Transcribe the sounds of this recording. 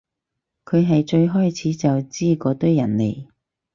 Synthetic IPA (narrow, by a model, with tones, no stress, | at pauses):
kʰɵ˨˧ɥɦɐ˨jt͡ʃɵ˧ɥɦɔː˥jt͡sʰiː˨˥t͡sɐ˨wt͡siː˥kɔː˧t̪ɵ˥ɥjɐ˨˩nlḛ˨˩j